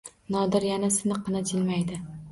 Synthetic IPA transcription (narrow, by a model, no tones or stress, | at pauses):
nɒd̪ɪɾjanasɪnɨqʰːɨnat͡ʃʰɪlmajd̪ɪ